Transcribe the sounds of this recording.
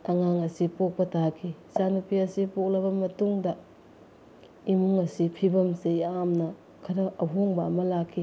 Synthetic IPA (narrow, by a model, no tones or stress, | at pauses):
ɐŋaŋɐsipok̚pɐtʰakʰisanupiɐsipok̚lɐβɐmɐtuŋdɐ | imuŋɐsipʰibɐmsejamnɐ | kʰɐɾɐʔɐɦoŋbɐːmɐlakʰːi